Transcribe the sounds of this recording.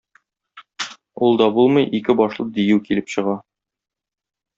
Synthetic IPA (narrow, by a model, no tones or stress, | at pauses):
ulˠd̪ɒbulˠmɤjʔikɘbɒʃlˠɤd̪ijʉwkilɘpɕɤ̆ʁɑ